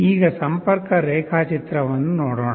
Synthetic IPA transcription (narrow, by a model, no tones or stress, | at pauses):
iːɣɐsɐmpɐɾkɐɾeːkʰaːt͡ʃɪt̪ɾɐʋɐnd̪ɯnoːɽoːɳ